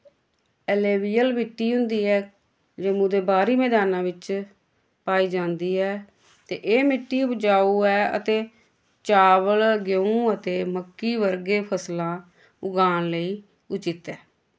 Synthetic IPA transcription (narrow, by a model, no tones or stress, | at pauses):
əleːʋiːjəlbɪʈːiːɦʊ̃nd̪iːɛː | d͡ʒemũːd̪eːbaːɾiːmɛːd̪aːnãːʋɪt͡ʃ | paːiːd͡ʒãːnd̪iːɛː | t̪eːʔeːmɪʈːiːpd͡ʒaːuːɛːə̰t̪eː | t͡ʃaːʋəlɡoũət̪eːməkːiːʋəɾɡeːpʰəslãː | ʊɡaːnləiː | ʊt͡ʃɪt̪ɛː